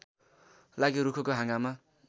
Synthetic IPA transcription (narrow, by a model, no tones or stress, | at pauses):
laɡiɾukʰokoɦãŋɡama